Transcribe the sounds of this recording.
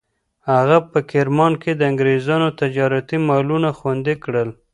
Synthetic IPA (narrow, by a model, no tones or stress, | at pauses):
haɣapəkɪɾmɑnked̪əaŋɡɾezɑnot̪ɪd͡ʒɑɾat̪imɑlunaxwand̪ekɽəl